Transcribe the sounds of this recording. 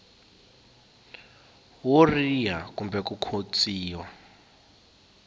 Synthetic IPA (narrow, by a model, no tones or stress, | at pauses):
worijakumbɛkukʰot͡sʼiːwa